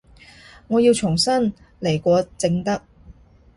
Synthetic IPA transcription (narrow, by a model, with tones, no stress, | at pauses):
ŋɔː˨˧ji˧wt͡ʃʰʊ˨˩ŋsɐ˥n | le˨˩jkʷɔː˨˧t͡sɪ˧ŋt̪ɐ˥k̚